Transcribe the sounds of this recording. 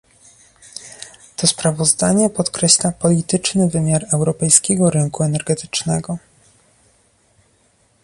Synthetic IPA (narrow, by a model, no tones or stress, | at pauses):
t̪ɔspɾavɔzd̪aɲɛpɔt̪kɾɛɕlapɔlʲit̪ɘt͡ʂnɘvɘmʲjaɾɛwɾɔpɛjskʲɛɡɔɾɘŋkuɛnɛɾɡɛt̪ɘ̥t͡ʂnɛɡɔ